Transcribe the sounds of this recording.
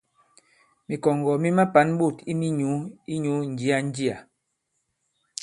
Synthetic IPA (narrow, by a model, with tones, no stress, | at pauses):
mi˨kɔ˨ŋɡɔ˨mi˦ma˦pa˨˦n˦ɓu˦˨ti˦mi˦ɲu˨˦i˦ɲu˨˦n̩˨d͡ʒi˦a˨n̩˦d͡ʒi˦a˨